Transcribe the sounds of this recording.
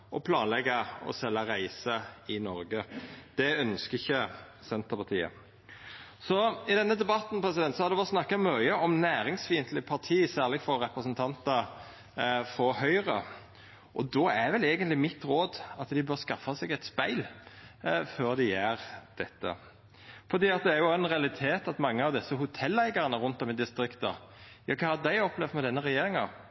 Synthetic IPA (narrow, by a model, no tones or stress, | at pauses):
ʔɔ̰pʰlɑːnlɛɡːɑɔ̰sɛlːɑɾæɪsəɪnɔɾɡəd̪̥ɛœnskəɪçːə | sɛnt̪əɾpɑʁt̪ʰiːə̰ | sɔɪd̪ɛnːəd̪ɛbɑt̪npɾɛs̬ɪd̪ɛnt̪sɔhɑɾd̪ɛʋɛlt̪snɑkːɑmœʏəʔɔmnæːɾɪŋsfiːənt̪lɪpʰɑʁt̪ʰiːsæːʁlɪfɔɾɾɛpɾəsənt̪ʰɑnt̪ə | fɔɾhœʏʁə | ʔɔd̪ɔæɾʋɛleːɡənt̪lɪmɪt̪ɾoːd̪ɑt̪d̪ɪbøɾskɑfːɑsɛɡɛt̪spæɪl | føːɾd̪ɪjæːɾd̪̥ɛt̪ːə̰ | fɔʁd̪iːɑt̪̚d̪ɛæɾjʊɛnʁɛɑlɪt̪ʰeːt̪ɑt̪mɑŋːəɑʋd̪ɛsːəɦʊt̪ʰɛlːæɪɡɑʁənəʁʊnt̪ɔmɪd̪ɪst̪ɾɪkt̪ɑ̰ | jɑːkʰɑːhɑd̪æɪɔplɛʋd̪mɛd̪ɛnːəɾɛjeːɾɪŋɑ̰